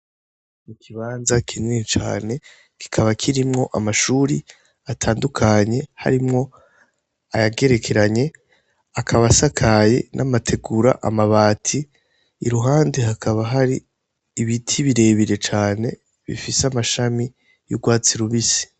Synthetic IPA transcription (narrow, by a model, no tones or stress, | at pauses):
mukʰiβaːnzakʰinit͡ʃa̰ːne̞ | ki̥kʰaβakʰiɾimŋo̞ʔamaʃuɾi | atʰaːndukʰaɲe̞ha̰ɾimŋo̞ | ajaɡe̞ɾe̞kʰe̞ɾaɲe̞ | akʰaβasakʰaje̞̰nʔamatʰe̞ɡuɾa̰ʔa̰maβaːtʰiː | ɾuɦaːndeɦakʰaβaɦaɾiː | βitʰiβiɾe̞ːβiɾe̞t͡ʃaːne̞ | βḭfiseamaʃami | jṵɡwaːt͡siɾuβisi̥